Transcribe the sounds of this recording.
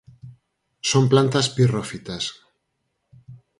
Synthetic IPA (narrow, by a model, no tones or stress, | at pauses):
somplant̪aspirofit̪as